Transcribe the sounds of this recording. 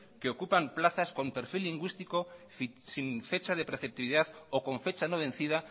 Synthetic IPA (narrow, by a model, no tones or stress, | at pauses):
keokupamplaθasko̞mpeɾfilːiŋɡwist̪iko | siɱfet͡ʃaðepeɾθep̚t̪iβiðaðokõ̞ɱfet͡ʃanoβ̞ẽnθið̞a